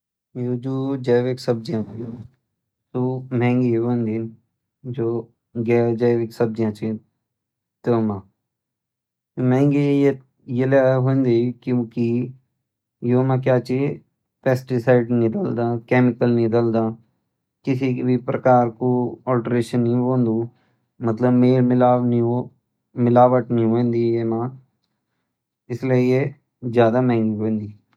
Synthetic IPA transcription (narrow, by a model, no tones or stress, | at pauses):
joːd͡ʒoːd͡ʒɛːʋeksəb̚d͡ʒijãːjo | t̪uːmɛ̃ːŋɡieʋõnd̪in | d͡ʒoː | ɡɛd͡ʒɛːʋeksəb̚d͡ʒjãt͡ʃi | t̪oːmãː | mɛ̃ːŋɡeje | jelaɦõnd̪ekiki | joːmãːk̬jaːt͡ʃi | pɛːsʈɪsaːɪɖnɪd̪əld̪aːkɛːmɪkəlnɪd̪əld̪aː | kɪsikbʱipɾəkaːɾkoːɔːlʈɾeːʃənːĩõːnd̪uː | mət̪ləbmeːlmɪlaːʋnioː | mɪlaːʋəʈniɦoẽnd̪ijeːmãː | ɪslieje | zjaːd̪amɛ̃ːŋɡiɦoːẽnd̪iː